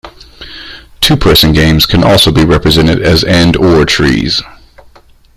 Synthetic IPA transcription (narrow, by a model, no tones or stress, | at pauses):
tʰʉpʰɜ˞sɨ̃nɡẽɪ̃mz̥kʰɨ̃nʔɔlˠsoʊbiɹɛpɹɨzɛ̃ɾ̃ɨɾɨzɛ̃ndɔɹtʰɹ̥ḭz̥